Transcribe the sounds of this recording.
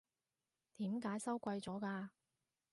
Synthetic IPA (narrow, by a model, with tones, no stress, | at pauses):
t̪iː˨˥mkaː˨˥jsɐ˥wkʷɐ˧jt͡sɔː˨˥kaː˧